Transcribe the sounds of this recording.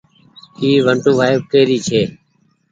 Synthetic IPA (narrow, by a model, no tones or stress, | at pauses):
kiːʋəɳʈũːʋaːɪʋkəːɾiːt͡ʃʰeː